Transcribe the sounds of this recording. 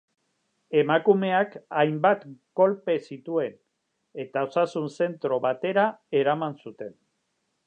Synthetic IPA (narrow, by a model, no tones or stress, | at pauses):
e̞makume̞akajmbat̪ɡo̞lpe̞sit̪ue̞n | e̞t̪ao̞sasunse̞nt̪ɾo̞βat̪e̞ɾae̞ɾamansut̪e̞n